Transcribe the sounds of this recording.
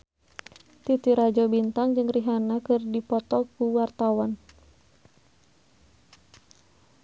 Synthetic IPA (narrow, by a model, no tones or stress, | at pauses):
t̪it̪iɾad͡ʒɔbint̪aŋd͡ʒɨŋriɦanakɨrdipɔt̪ɔkuwart̪awan